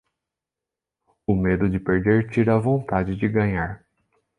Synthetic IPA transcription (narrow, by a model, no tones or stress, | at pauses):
ʊmed̪ʊd͡ʒɪpeɾd̪eɾt͡ʃiɾɐvõnt̪ad͡ʒɪd͡ʒɪɡɐ̃ɲaɾ